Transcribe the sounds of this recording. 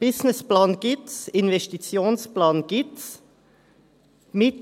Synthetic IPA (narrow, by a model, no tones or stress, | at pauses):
b̥ɪznɪsplaːnɡ̥ɪsɪnvɛstit͡sjoːnsplaːnɡ̥ɪts | mɪ